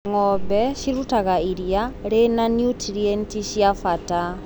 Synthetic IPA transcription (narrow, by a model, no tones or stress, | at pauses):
ŋɔbɛʃiɾutaɣaiɾjaɾenanjutɾiɛntiʃjafata